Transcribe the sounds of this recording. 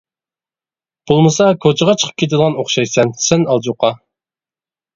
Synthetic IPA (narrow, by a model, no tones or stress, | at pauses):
b̥olˠmɨsɑkʰot͡ʃʰəʁɑt͡ʃʰə̥qʰə̥p̚kʲet̪̬ɪd̪ˠʁɑnoχʃɑjsɛnsɛnɑlˠd͡ʒuqɑ